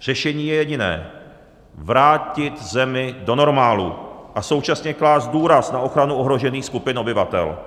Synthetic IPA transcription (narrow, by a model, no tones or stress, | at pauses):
r̥ɛʃɛɲiːjɛjɛɟɪnɛ̰ː | vɾaːcɪt̪zɛmɪdo̞no̞ɾmaːlṵʔaso̞wt͡ʃasɲɛklaːzduːɾasnaʔo̞xɾanuʔo̞ɦɾo̞ʒɛniːxskupɪno̞bɪvat̪ɛ̰l